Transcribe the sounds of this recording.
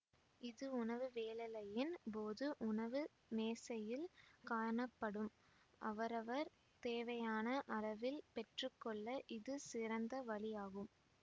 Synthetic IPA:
ɪðɯʊɳɐʋɯʋeːlɐlɐjɪnpoːðɯʔʊɳɐʋɯ | neːsɐjɪlkaːɾɳɐpːɐɽɯm | ʔɐ̰ʋɐɾɐʋɐɾ | t̪eːʋɐjaːnɐʔɐlɐʋɪlpɛʈrɯkːɔɭːɐʔɪðɯsɪrɐnd̪ɐʋɐɭɪjaːɣɯm

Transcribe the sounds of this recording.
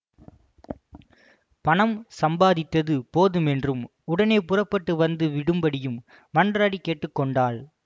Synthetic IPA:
pɐɳɐmsɐmbaːðɪt̪ːɐðɯpoːðɯmɛndrɯm | ʊɽɐneɪpʊrɐpːɐʈːɯʋɐnd̪ɯʋɪɽɯmbɐɽɪjɯm | mɐndraːɽikeːʈːɯkːɔɳɖaːɭ

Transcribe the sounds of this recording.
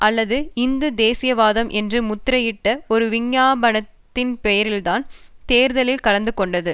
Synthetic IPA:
ʔɐlːɐðɯɪnd̪ɯd̪eːsɪjɐʋaːðɐmʔɛndrɯmʊt̪ːɾɐjɪʈːɐɔɾɯʋɪɲːaːbɐɳɐt̪ːɪnpɛjɐɾɪlt̪aːnt̪eːɾðɐlɪlkɐɭɐnd̪ɯkɔɳɖɐðɯ

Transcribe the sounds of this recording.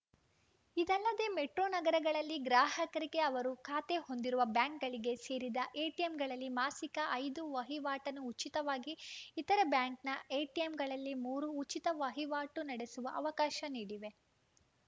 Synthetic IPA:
id̪ɛlːɐd̪e̞ːmeʈɾoːnɐɡɐɾɐɡɐɭɐlːiɡɾaːɦɐkɐɾiɡe̞ɐʋɐɾukʰaːt̪e̞ɦo̞nd̪iɾuʋɐbjaːŋkɡɐɭiɡe̞se̞ːɾid̪ɐʔeːʈiemɡɐɭɐlːimaːsikɐʔɐjd̪uʋɐɦiʋaːʈɐnuːt͡ʃit̪ɐʋaːɡiːt̪ɐɾɐbjaːŋknɐeːʈiemɡɐɭɐlːimuːɾuːt͡ʃit̪ɐʋɐɦiʋaːʈunɐɽe̞suʋɐʔɐʋɐkaːʃɐniːɽiʋe̞

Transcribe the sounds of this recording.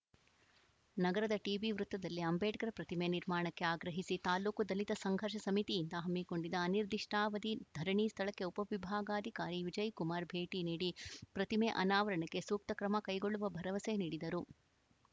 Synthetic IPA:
nɐɡɐɾɐd̪ɐʈiːʋiʋɾut̪ːɐd̪ɐlːiɐmbʱeːʈkɐɾɐpɾɐt̪imeniɾmaːɳɐkːeaːɡɾɐɦisit̪aːluːkud̪ɐlit̪ɐsɐŋɡʱɐɾʂɐsɐmit̪ijːnd̪ɐɦɐmːiko̞ɳɖid̪ɐːniɾd̪iʂʈaːʋɐd̪id̪ʱɐɾɐɳist̪ʰɐɭɐkːe̞upɐʋibʱaːɡaːd̪ʱikaːɾiʋid͡ʒɐjkumaːɾbʱeːʈiniːɽipɾɐt̪imeʔɐnaːʋɐɾɐɳɐkːe̞suːk̚t̪ɐkɾɐmɐkɐjɡo̞ɭːuʋɐbʱɐɾɐʋɐseniːɽid̪ɐɾu

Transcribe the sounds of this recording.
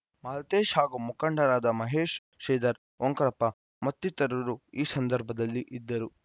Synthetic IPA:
maːlɐt̪eːʃɦaːɡumukɐɳɖɐɾaːd̪ɐmɐɦeːʃ | ʃɛːd̪ɐɾ | ʔoŋkɐɭɐpːɐ | mɐt̪ːit̪ɐɾuɾuiːsɐnd̪ɐɾbʱɐd̪ɐlːiʔid̪ːɐɾu

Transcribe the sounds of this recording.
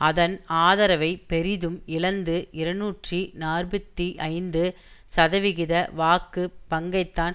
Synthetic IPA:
ɐðɐnaːðɐɾɐʋɐɪpɛɾɪðɯmɪlɐnd̪ɯɪɾɐnuːʈrinaːrbɐt̪ːiʔɐɪnd̪ɯ | sɐðɐʋɪɣɪðɐʋaːkːɯpɐŋɡɐɪt̪ːaːn

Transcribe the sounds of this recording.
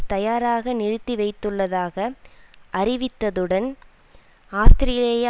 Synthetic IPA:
t̪ɐjaːɾaːɣɐnɪɾɯt̪ːiʋɐɪt̪ːɯɭːɐðaːɣɐʔɐɾɪʋɪt̪ːɐðɯɽɐn | aːst̪ɪɾɪjɪlej

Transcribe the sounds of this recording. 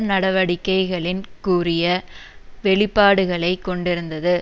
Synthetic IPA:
nɐɽɐʋɐɽɪkːɐɪɣɐɭɪnkuːrɪjɐʋɛɭɪpːaːɽɯɣɐɭɐɪkːɔɳɖɪɾɯnd̪ɐðɯ

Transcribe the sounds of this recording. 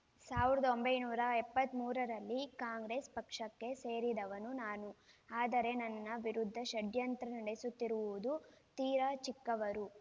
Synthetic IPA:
saːʋiɾɐd̪ɐo̞mbɐjnuːɾɐɛpːɐt̪ːmuːɾɐɾɐlːikaːŋɡɾeːspɐkʂɐkːe̞se̞ːɾid̪ɐʋɐnunaːnuaːd̪ɐɾe̞nɐnːɐʋiɾud̪ʱːɐʃɐɖjɐnt̪ɾɐnɐɽesut̪ːiɾuʋud̪ut̪iːɾat͡ʃikːɐʋɐɾu

